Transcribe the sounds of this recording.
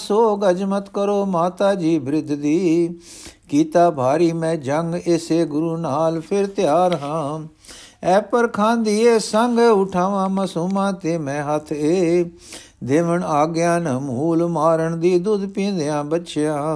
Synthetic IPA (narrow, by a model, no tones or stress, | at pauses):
soːɡəd͡ʒmət̪kəɾoːmaːt̪aːd͡ʒiːbɪɾɪd̪ʱd̪iː | kiːt̪aːbʱaːɾiːmɛ̃ːd͡ʒəŋɡeːseːɡʊɾuːnaːlpʰɪɾt̪ɪjaːɾɦãː | ɛːpəɾkʰãːnd̪iːeːsəŋɡʊʈʰaːʋãːməsuːmãːt̪eːmɛ̃ːɦət̪ʰeː | d̪eːʋəɳaːɡɪjãːnəmuːlmaːɾəɳd̪iːd̪ʊd̪pĩːnd̪ɪjãːbətːʃɪjãː